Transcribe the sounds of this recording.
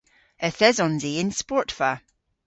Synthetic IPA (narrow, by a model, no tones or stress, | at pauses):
əθɛzɔ̃nziɪnspɔɹtfə